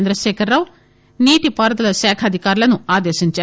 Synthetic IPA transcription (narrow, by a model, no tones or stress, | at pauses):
nd̪ɾɐʃeːkʰɐɾːaːʋ | niːʈipaːɾɐd̪ɐlɐʃaːkʰɐːd̪ʱikaːɾulɐnuaːd̪eːʃiɲt͡ʃaː